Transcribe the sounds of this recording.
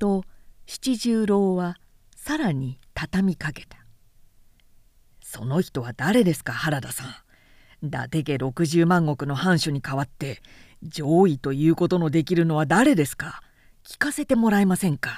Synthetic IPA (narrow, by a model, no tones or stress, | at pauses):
t̪o̞ɕi̥t͡ɕiʑɨːɾo̞ːβa | saɾaɲ̟it̪at̪amʲikake̞̥t̪ḁ | so̞no̞çi̥t̪o̞βad̪aɾe̞d̪e̞sɨ̥kahaɾad̪asã | d̪a̰t̪e̞ɡe̞ɾo̞kɯ̟ʑɨːmãŋɡo̞kɯ̟no̞hãɰ̃ɕoɲ̟ikaβat̪ːe̞ | d͡ʑo̞ːit̪o̞jɯ̟ːko̞t̪o̞no̞d̪e̞k̬ʲiɾɯ̟no̞βad̪aɾe̞d̪e̞sɨ̥ka | kʲi̥kase̞t̪e̞mo̞ɾaimasẽ̞ŋka